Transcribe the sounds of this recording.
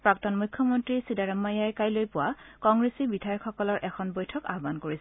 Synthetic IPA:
pɹaktɔnmujkʰjɔmɔntɹisidaɹamːajajkajlojpʊwakɔŋɡɹesibidʱajɔkxɔkɔlɔɹʔɛkʰɔnbojtʰɔka̰ɦɔbankoɹisɛ

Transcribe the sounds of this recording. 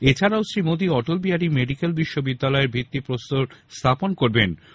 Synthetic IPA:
et͡ɕʰaɾaʊsɾimod̪iɔʈolbiaɾimeɖikelbiʃːobid̪ːalɔeɾbʱit̪ːipɾost̪oɾst̪ʰaponkoɾben

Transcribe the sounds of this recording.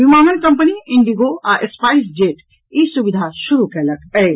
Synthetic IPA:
ʋimaːmənkɐmpəniɪ̃ɳɖiɡoaʔespaːisd͡ʒeːʈ | iːsubid̪ʱaʃʊɾukɐlɐk̚ʰɛː

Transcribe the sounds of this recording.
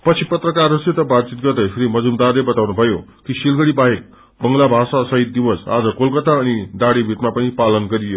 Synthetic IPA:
pʌt͡sʰipʌt̪rʌkaruset̪ʌbat̪̚t͡sit̪̚ɡʌrd̪ʌjpʰiɾimʌd͡zumd̪arlebʌt̪awnubʱʌjokisilɡʌɽibaɦek̚ | bʌŋlabʱasasʌɦit̪̚d̪iwʌsa̰d͡zʌkolkʌt̪aʌnid̪aɽibʱit̪mapʌnipalʌnɡʌɾijo

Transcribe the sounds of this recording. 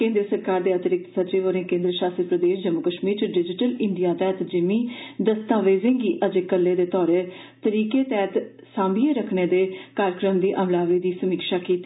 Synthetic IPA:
kẽːnd̪ɾəsəɾkaːɾd̪eːət̪əɾɪk̚t̪sət̪ɾiːʋəɾẽːkẽːnd̪ɾəʃaːst̪ɾpɾəd̪eːʃd͡ʒəmːʊkəʃmiːɾɖɪd͡ʒɪʈəlɪɳɖijaːt̪ɛːt̪d͡ʒɪmĩːd̪əst̪aːʋeːzɪ̃ŋɡiːʔəd͡ʒkəlːeːd̪eːt̪ɔːɾe | t̪əɾiːkeːt̪ɛːt̪ | sãːmbiːeːɾəkʰneːd̪eːkaːɾəkɾəmd̪iːʔəmlaːʋiːd̪iːsəmiːkʃaːkiːt̪ː

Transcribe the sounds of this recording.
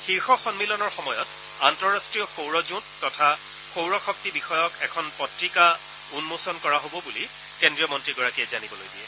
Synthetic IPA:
xiɹxɔxɔnmilɔnɔɹxɔmɔjɔt | antɔɹastɹijɔxowɹɔzutːɔtʰa | xowɹɔxɔk̚tibixɔjɔkɛkʰɔnpɔtɹika | unmosɔnkɔɹaɦobɔbuli | kɛndɹijɔmɔntɹiɡɔɹakiɛzanibɔlojdiɛ

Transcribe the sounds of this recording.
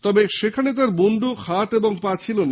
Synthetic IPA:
t̪ɔbeʃekʰanet̪̬aɾboɳɖoxʰat̪eboŋpat͡ɕʰilona

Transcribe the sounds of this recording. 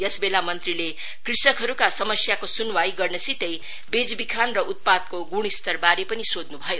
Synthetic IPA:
jʌsbelamʌnt̪rile | krisʌkɦʌɾukasʌmʌsjakosunwajɡʌrnʌsit̪ʌj | bed͡zbikʰanrʌʔut̪̚pad̪̚koɡuɽ̃ist̪ʌrbaɾepʌnisod̪nubʱʌjo

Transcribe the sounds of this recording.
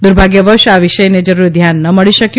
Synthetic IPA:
d̪uɾbʱaɡjəʋəɾʃaʋiʃəjned͡ʒəɾuɾd̪ʱjanːəməɭiʃəkj

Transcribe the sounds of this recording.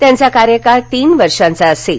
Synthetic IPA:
t̪jãnt͡sakaɾjəkaɾt̪iːnʋəɾʂãnt͡saəse

